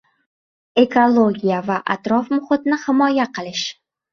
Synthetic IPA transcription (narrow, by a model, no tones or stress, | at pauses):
e̞kʰolˠoɡʲijavaʔa̰t̪ɾɒfmʊχɪt̪nɪhɪmɒjaqʰɨlˠɪʃ